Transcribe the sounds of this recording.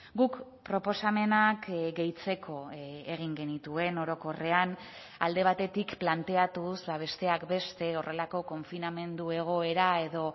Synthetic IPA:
ɡukpɾo̞po̞same̞nakɡe̞jt͡se̞kʰo̞e̞ɣ̞iŋɡe̞nit̪ue̞no̞ɾo̞ko̞re̞an | a̰ld̪e̞β̞at̪e̞t̪ikplant̪e̞at̪usbaβ̞e̞st̪e̞akbe̞st̪e̞o̞re̞lako̞ko̞ɱfiname̞nd̪ue̞ɣ̞o̞e̞ɾae̞ðo̞

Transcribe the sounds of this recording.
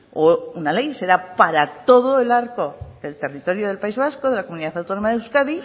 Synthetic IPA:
ounale̞jse̞ɾapaɾat̪o̞ðoe̞laɾko̞ðe̞lt̪e̞rit̪o̞ɾjo̞ðe̞lpaizβasko̞ðe̞lakomuniðaθawt̪o̞no̞maðewskaði

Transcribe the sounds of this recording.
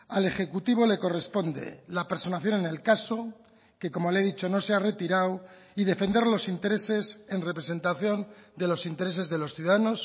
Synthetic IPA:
ale̞xe̞kut̪iβ̞o̞le̞ko̞re̞spo̞nd̪e̞̰lapeɾso̞naθjo̞nene̞lkaso̞ | ke̞ko̞mo̞le̞ðit͡ʃo̞no̞seare̞t̪iɾaw | iðe̞fe̞nd̪e̞ɾlo̞sint̪e̞ɾe̞se̞se̞nre̞pɾe̞se̞nt̪aθjo̞nd̪e̞lo̞sint̪e̞ɾe̞s̬e̞zðe̞lo̞sθjuðaðano̞s

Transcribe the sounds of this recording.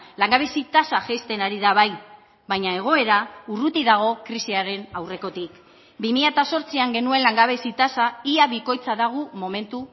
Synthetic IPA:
laŋɡaβesit̪asaʝejst̪e̞naɾiðaβ̞aj | βajɲae̞ɣ̞o̞e̞ɾaurut̪iðaɣ̞o̞kɾisiaɾe̞nawre̞ko̞t̪ik | bimiʎat̪aso̞ɾt͡siaŋɡe̞nue̞nlaŋɡaβ̞esit̪asaiaβiko̞jt͡saðaɣ̞umo̞me̞nt̪u

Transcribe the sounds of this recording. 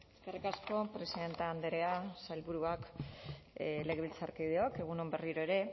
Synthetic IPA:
e̞skerikasko̞pɾe̞siðe̞nt̪eaːnd̪eɾeasajlβuɾuak | le̞ɣ̞e̞βilt͡saɾkejð̞eoke̞ɣuno̞mbe̞riɾo̞e̞ɾe̞

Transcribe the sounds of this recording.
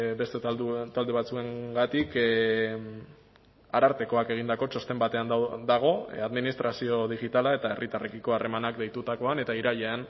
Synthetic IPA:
be̞st̪et̪ald̪e̞β̞at͡sue̞ŋɡat̪ik | aɾaɾt̪e̞ko̞ake̞ɣ̞ind̪ako̞t͡ʃo̞st̪embat̪e̞and̪aɣ̞o̞aðminist̪ɾasio̞ðiɣit̪alae̞t̪ae̞rʔit̪arʔekiko̞are̞manakd̪e̞jt̪ut̪ako̞ane̞t̪aiɾaʎean

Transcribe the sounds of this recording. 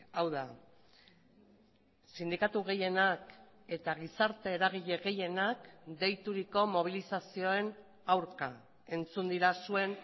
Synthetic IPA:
awða | sind̪ikat̪uɣ̞e̞je̞nak | e̞t̪aɣ̞isaɾt̪e̞ːɾaɣ̞iʎe̞ɣe̞je̞nakd̪e̞jt̪uɾiko̞mo̞β̞ilisasio̞e̞n | awɾka̰ | e̞nt͡sund̪iɾasue̞n

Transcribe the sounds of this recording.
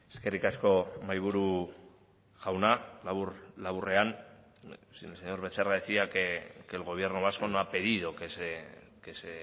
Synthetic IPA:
eske̞rikasko̞majβ̞uɾu | ɣawnalaβurlaβure̞an | seɲo̞ɾβe̞t͡seraðesiakekelɣ̞o̞β̞je̞ɾnoβ̞asko̞noape̞ðiðo̞kese | kese

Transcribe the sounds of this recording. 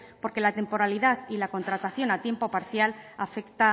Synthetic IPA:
po̞ɾke̞lat̪e̞mpo̞ɾaliðaθilako̞nt̪ɾat̪aθjo̞nat̪je̞mpo̞paɾθjalafe̞kt̪a

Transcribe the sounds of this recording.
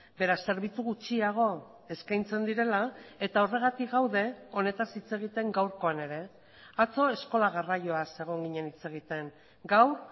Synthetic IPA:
be̞ɾase̞ɾβ̞it͡suɣut͡ʃiaɣ̞o̞ | e̞skajnt͡se̞nd̪iɾe̞lae̞t̪ao̞re̞ɣ̞at̪ikɡawðe̞o̞ne̞t̪asit͡se̞ɣit̪e̞ŋɡawɾko̞ane̞ɾe̞ | at͡so̞e̞sko̞laɣ̞arajo̞ase̞ɣ̞o̞ŋɡiɲe̞nit͡se̞ɣ̞it̪e̞ŋ | ɡawɾ

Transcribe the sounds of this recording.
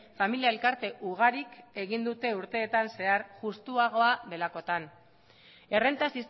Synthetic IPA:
familiae̞lkaɾt̪e̞ʔuɣ̞aɾike̞ɣind̪ut̪e̞uɾt̪e̞ːt̪anse̞aɾʝust̪uaɣ̞o̞aðe̞lako̞t̪an | e̞re̞nt̪asist

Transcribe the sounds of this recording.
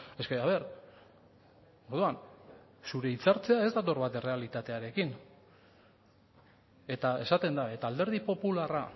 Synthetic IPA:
e̞ske̞aβ̞e̞ɾ | o̞ɾðuansuɾe̞it͡saɾt͡se̞ae̞zd̪at̪o̞ɾβat̪e̞re̞alit̪at̪e̞aɾe̞kin | e̞t̪ae̞sat̪e̞nd̪ae̞t̪ald̪e̞ɾð̞ipo̞pulara

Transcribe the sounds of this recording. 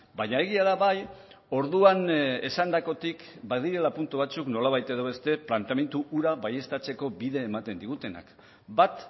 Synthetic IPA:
baɲae̞ɣ̞iaðaβaj | o̞ɾðuane̞sand̪ako̞t̪ik | baðiɾe̞lapunt̪uβ̞at͡sukno̞laβajt̪e̞ðo̞βe̞st̪e̞plant̪eame̞nt̪uʔuɾaβaje̞st̪at͡se̞ko̞biðe̞ːmat̪e̞nd̪iɣut̪e̞na̰k | bat̪

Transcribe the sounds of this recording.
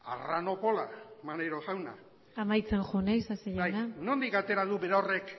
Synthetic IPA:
a̰rano̞polamaneɾosawna̰ | amajt͡se̞nʝonajsaseʎajnanond̪ikat̪e̞ɾaðubeɾaorek

